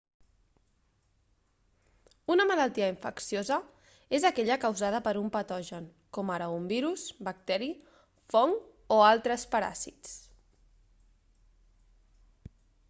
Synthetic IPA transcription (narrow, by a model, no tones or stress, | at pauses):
unəməlalˠt̪iəiɱfəksiozə | ezəkɛʎəkəwzað̞əpəɾumpət̪ɔʒən | kɔməɾəumbiɾusbək̚t̪ɛɾi | fɔŋ | oalˠt̪ɾəspəɾa̰sit̪t͡s